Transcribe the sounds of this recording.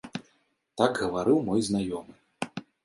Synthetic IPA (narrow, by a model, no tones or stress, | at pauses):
t̪aɡɣɐvaɾɨwmɔjznajɔmɨ